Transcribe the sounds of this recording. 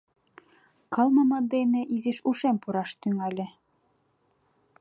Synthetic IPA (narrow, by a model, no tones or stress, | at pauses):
kɑlˠmɑmɑnd̪ejnɘʔizɘʃuʃæmpuɾɑʃt̪yŋælʲɘ̆